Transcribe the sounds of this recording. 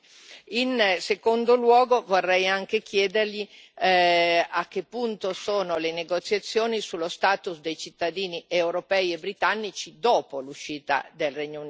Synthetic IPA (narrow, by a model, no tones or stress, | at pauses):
insekond̪olwɔːɡovorːɛjaŋkek̟jɛːd̪erʎi | akːepːunt̪osoːnoleneɡot̪sjat̪sːjoːnisulost̪aːt̪usd̪ejt͡ʃit̪ːad̪iːniewɾopɛjebːɾit̪anːit͡ʃid̪oːpoluʃiːt̪a̰d̪elrɛɲːoun